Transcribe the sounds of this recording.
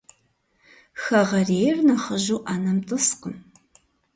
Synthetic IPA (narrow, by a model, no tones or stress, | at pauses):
xɐʁɐreːjrnɐχəʒuːʔaːnɐmtʼɨsqəm